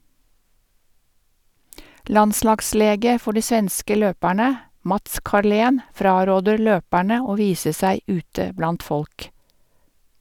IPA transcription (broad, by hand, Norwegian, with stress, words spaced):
ˈlɑnˌslɑɡˌsleːɡə ˈfɔ ˈɖiː ˈsʋɛnskə ˈløːpæɳə ˈmɑts kɑˈɭeːn ˈfɾɑːɾoːdəɾ ˈløːpæɳə ˈoː ˈʋiːsə ˈsæɪ ˈʉːtə ˈblɑnt ˈfɔlk